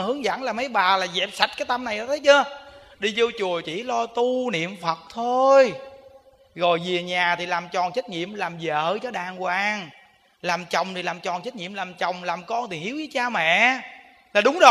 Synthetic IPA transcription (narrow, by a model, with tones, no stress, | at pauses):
hɨ˨˦əŋzə̰˧˥nlaː˨˩mə˨˦jɓaː˨˩laː˨˩zɛ˨˩p̚sa˨˩jt̚kaː˨˦jt̪a˧mna˨˩jʔːt̪ʰə˨˦jt͡ɕə˧ | ɗi˧zo˧t͡ɕu˨˩ət͡ɕḭ˧˩lɔ˧t̪u˧nḭ˧˨əmfə˨˩t̚t̪ʰo˧j | ɣɔ˨˩jvi˨˩əɲaː˨˩t̪ʰi˨˩laː˨˩mt͡ɕɔ˨˩nt͡ɕə˦˥t̚ɲḭ˧˨əmlaː˨˩mzə̰ː˧˨t͡ɕɔ˧ɗaː˨˩ŋkwaː˧˩ŋ | laː˨˩mt͡ɕə˨˩wŋ͡mt̪ʰi˨laː˨˩mt͡ɕɔ˨˩nt͡ɕəː˦˥t̚ŋḭ˧˨əmlaː˨˩mt͡ɕə˨˩wŋ͡mlaː˨˩mkɔ˧nt̪ʰi˨˩hi˨˦wjzəː˨˦jt͡ɕaː˧mɛ̰˧˨ | laː˨˩ɗʊ˨˦ŋ͡mzo˨